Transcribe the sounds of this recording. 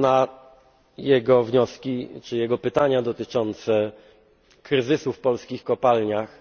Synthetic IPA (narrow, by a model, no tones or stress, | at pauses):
na | jɛɡɔvɲɔskʲit͡ʂɘjɛɡɔpɘt̪aɲad̪ɔt̪ɘt͡ʂɔnt̪sɛ | kɾɘzɘsufpɔlskʲixkɔpalɲax